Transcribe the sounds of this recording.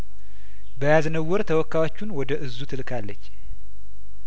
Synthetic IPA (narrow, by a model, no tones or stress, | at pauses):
bəjaznəwːɔɾt̪ʰəwɔkːawot͡ʃːunwɔd̪əʔɨzːut̪ʰɨlkʰalːət͡ʃː